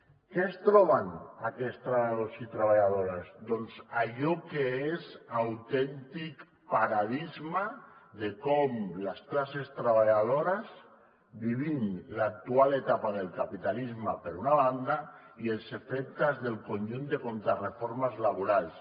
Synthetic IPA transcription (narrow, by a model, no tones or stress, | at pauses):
kest̪ɾɔβanakɛst̪ɾaβaaðosit̪ɾaβaʎaðoɾazd̪ɔnzaʎɔkeezawt̪ɛnt̪ik | paɾaðizmaðekɔmlasklasest̪ɾaβ̞aʎaðoɾaz | biβimlak̚t̪ualet̪apaðelˠkapit̪alizmapeɾunaβand̪a | ielˠsefɛk̚t̪azðelkonʒund̪ekont̪ɾarefoɾmazlaβuɾalˠs